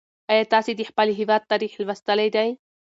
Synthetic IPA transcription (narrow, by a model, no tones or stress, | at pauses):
aet̪asid̪iħpaliɦiβat̪ːaɾiħilβast̪alajd̪aj